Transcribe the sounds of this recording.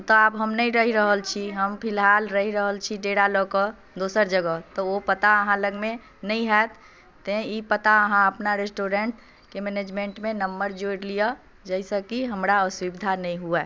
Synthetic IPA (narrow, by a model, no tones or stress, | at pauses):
t̪ɔabɦəmnəĩɾəɦiɾəɦəlt͡ʃʰiɦəmpʰɪlɦaːlɾəɦiɾəɦəlt͡ʃʰiɖeɽalɔkə | d̪osəɾd͡ʒəɡət̪ɔopət̪aəɦãləɡmẽ | nəĩɦɛt̪ | t̪ẽipət̪aəɦãəpnaɾesʈoɾẽɳʈ | kemened͡ʒmẽɳʈmẽnəmbəɾd͡ʒoɽlijə | d͡ʒəsəkiɦəmɾaɔswibid̪ʱanəĩɦua